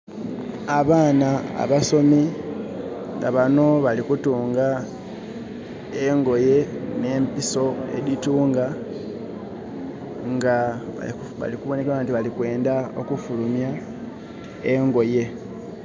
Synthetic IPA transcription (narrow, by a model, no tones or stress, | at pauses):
aβaːnaa̰βaso̞mi | ŋɡa̰βano̞βalikutuːŋɡa | eŋɡo̞je̞ne̞ːmpiso̞ḛdituːŋɡa | ŋɡaa̰ | βa̰likuβo̞ne̞keantiβalikwe̞ːndao̞̰kufulumja | eŋɡo̞je̞